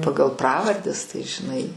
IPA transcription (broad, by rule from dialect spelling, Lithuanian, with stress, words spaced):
ˈpɑːɡɐlˠ ˈprɑːʋɐrʲdʲɛs tɐɪ ʒʲɪˈnɐɪ